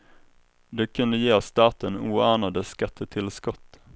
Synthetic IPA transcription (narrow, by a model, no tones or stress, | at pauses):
d̪ɛkʰɵnd̪əjeːast̪ɑːt̪ənuːɑːnad̪əskat̪ʰːət̪ʰɪlskɔt̪ː